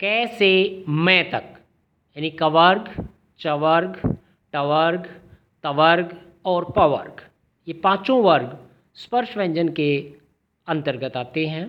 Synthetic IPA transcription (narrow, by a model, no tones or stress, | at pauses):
kɛːsemɛ̃ːt̪ɐk | jaːnikɐʋəɾɡ | t͡ʃɐʋəɾɡ | ʈɐʋəɾɡ | t̪ɐʋəɾɡ | ɔːɾpɐʋə̰ɾɡ | jepãːt͡ʃõʋəɾɡ | spəɾʃʋɛ̃ɲd͡ʒənke | ɐ̃nt̪əɾɡət̪aːt̪eɦɛ̃ː